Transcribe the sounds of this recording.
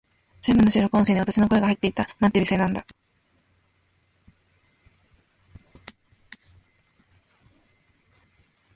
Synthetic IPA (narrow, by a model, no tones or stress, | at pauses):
sembɯ̟nːoɕɨːɾokɯõseːɲiat̪ḁɕinko̞e̞ɡahait̪ːe̞it̪amãnebʲiseːnãnd̪a